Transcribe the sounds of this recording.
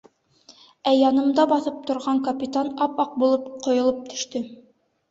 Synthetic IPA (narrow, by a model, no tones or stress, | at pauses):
æjɑnɤ̆md̪ɑbɑθɤp̚t̪ŏɾʁɑŋkɐpʲit̪anɑpɑq̚bulˠɤpqŏjŏlˠɤp̚t̪ʰɵ̥̆ʃt̪ɵ